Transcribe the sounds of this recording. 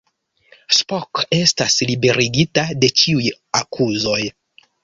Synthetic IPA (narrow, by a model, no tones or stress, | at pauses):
spoke̞staslibe̞ɾiɡitade̞t͡ʃiuj | akʰuzo̞j